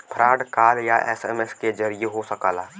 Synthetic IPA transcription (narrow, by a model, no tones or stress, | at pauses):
pʰəɾʔaːɖkaːɾjaʔɛ̰ːsɛːmeskezɐɾijeɦosəka̰ːlaː